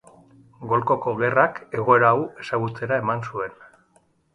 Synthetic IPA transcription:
ɡo̞lko̞ko̞ɣe̞rake̞ɣ̞o̞e̞ɾaːwe̞saɣ̞ut͡se̞ɾae̞mansue̞n

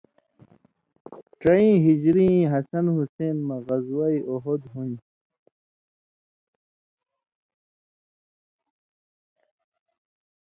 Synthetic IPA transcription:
ʈ͡ʂɐĩːɦid͡ʑɾĩɦɐsɐnhuseːnmɐɣɐzwajʔoɦod̪ɦun

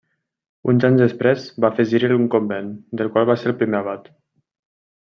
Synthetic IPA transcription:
unzaɲzðəspɾɛzβafeziɾəluŋkombend̪əlˠkwalˠβaseɾəlˠpɾimeaβat̪

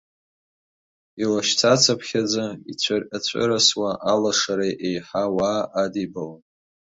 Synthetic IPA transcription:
ilaʃt͡sʰat͡sʰapʰχʲad͡zait͡sʷʰarʔat͡ɕʷʰʼɨ̰ɾaswaʔalaʂaɾajʔejħawaːʔadibalan

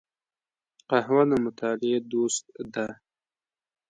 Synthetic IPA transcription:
qahwanamʊt̪ɑlɪed̪ost̪̚d̪a

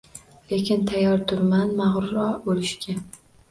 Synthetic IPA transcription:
le̞kʲɪnt̪ʰajɒɾt̪ʰʊɾmanmaʁɾʊɾɒbolɪʃkʲa

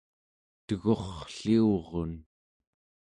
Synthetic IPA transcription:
t̪əɣo̞χɬiuʁon

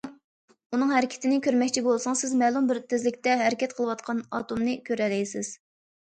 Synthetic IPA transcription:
unɨŋɦæɾɪkʲʰɪ̥t̪ʰɪnɪkʲʰøɾmɛkʲt͡ʃʰibolˠsʊŋsɪzmɛlˠumbɪɾt̪ʰɪzlɪkʲt̪ɛɦæɾɪkʲʰɛt̪̚qʰəlˠəwɑt̪qʰɑnɑ̰t̪umnɨkʲʰøɾɛlɛjsɪz̥

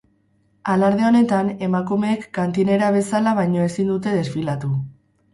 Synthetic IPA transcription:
alaɾð̞eo̞ne̞t̪ane̞makume̞ːkːant̪ine̞ɾaβ̞e̞salaβajɲo̞e̞sind̪ut̪e̞ð̞e̞sfilat̪u

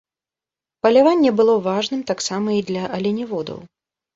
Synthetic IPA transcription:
pɐlʲavanʲːɛbɨlˠɔvaʐnɨmt̪aksamɐid̪lʲɐʔɐlʲɛnʲivɔd̪ɐ̰w

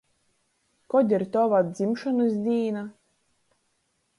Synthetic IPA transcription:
kɔd̪ʲiɾt̪ɔvad̪zʲimʃɔnɨsd̪ʲiːna

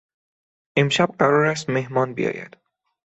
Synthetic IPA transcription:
ʔemʃæb̚ɢæɾɒːɾæst̪mehmɒːnbḭjɒ̰ːjæ̰d̪̥

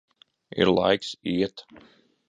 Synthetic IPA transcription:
ḭɾlˠa̰jksiɛt̪

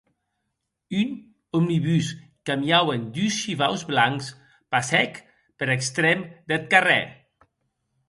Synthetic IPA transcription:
yn | omniβys | kamjawend̪ysʃiβawzβlaŋks | pasɛk | pəɾekst̪ɾɛmd̪et̪̚karɛ̰

